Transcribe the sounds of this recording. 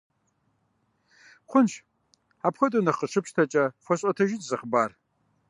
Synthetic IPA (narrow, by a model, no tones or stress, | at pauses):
χʷʊnʃʰ | apχʷɐtʼunɐqəʂɨpʰʂtʰɐt͡ʃʼɐxʷɐɕʼɔtʰɐʒɪtʼzɨχbaːr